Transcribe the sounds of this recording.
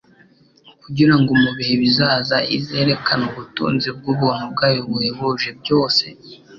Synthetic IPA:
kuɟiɾaŋɡomuβihe̞βizaːzaḭze̞ːɾe̞kʰanuβutṵːnzib̚ɡuβun̥ub̚ɡaːjoβujeβuʒeb̚ɟo̞ːse̞

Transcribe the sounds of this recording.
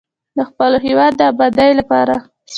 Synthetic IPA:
d̪əxpəloɦewɑd̪ːəabɑd̪ajlapɑɾa

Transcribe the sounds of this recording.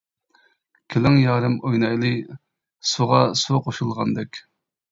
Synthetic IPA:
kʲʰelɪŋjɑːɾɨmojnɑjlˠɨ | suʁɑsuqoʃulˠʁɑ̰nd̪ɛkʲ

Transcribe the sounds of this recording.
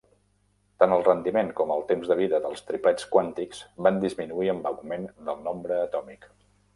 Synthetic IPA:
t̪anəlˠrənd̪imeŋkɔməlˠt̪emzðəβ̞iðəðəlˠst̪ɾiplɛt͡skwant̪ikz̥band̪izminuiəmbəɣumend̪əlˠnɔmbɾəːt̪ɔmik

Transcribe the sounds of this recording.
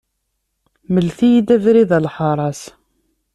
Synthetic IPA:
məlθijid̪ævɾiðælħɑɾˤɑs

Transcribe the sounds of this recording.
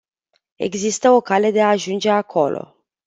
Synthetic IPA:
e̞̰ɡzist̪əo̞kale̞d̪e̞aːʒund͡ʒe̞akʰo̞lo̞̰

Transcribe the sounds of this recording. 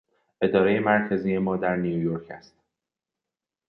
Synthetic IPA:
ʔe̞d̪ɒːɾeje̞mæɾcʰæziːje̞mɒːd̪æɾnijujoɾcʰæ̰st̪

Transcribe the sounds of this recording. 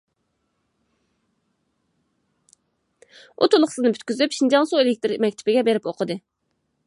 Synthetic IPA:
ṵt̪ʰulˠʊχsɨznɨpʰyt̪kʲyzypʃind͡ʒɑnsuelɪk̚ʲt̪ɪɾmɛkʲt̪ʰɪ̥pɪɡʲɛbeɾɪpoqʰəd̪ɨ

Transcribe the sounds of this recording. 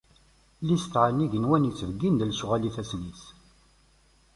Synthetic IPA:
list̪ːʕanːiʝənwænit͡sːəvəɡːind̪lsuʁæliθæsnis

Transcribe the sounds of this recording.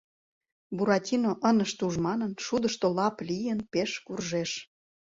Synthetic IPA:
buɾɑtʲinoʔənəʃt̪uʒmɑnənʃud̪əʃt̪olɑplijənpeʃkurʒeʃ

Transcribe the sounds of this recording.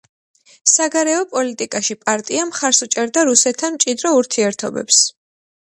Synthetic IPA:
saɡaɾɛɔpʼɔlit̪ʼikʼaʃipʼaɾt̪ʼiamχaɾsut͡ʃʼɛɾd̪aɾusɛt̪ʰːanmt͡ʃʼid̪ɾɔuɾt̪ʰiɛɾt̪ʰɔbɛ̰ps

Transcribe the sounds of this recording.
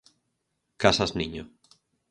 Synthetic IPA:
kasaznĩɲo

